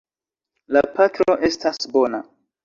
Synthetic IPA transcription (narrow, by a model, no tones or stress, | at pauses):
lapatɾo̞ʔe̞stasbo̞na